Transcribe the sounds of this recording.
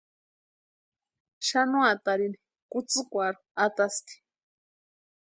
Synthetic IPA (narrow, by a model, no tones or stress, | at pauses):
ʃanuat̪aɾini̥ | kut͡sɨkʷaɾuat̪ast̪i̥